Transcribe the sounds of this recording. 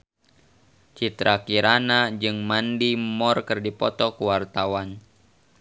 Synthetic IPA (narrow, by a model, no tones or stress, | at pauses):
t͡ʃit̪ɾakiɾʔanad͡ʒɨŋmandimɔrkɨrdipɔt̪ɔkuwart̪awan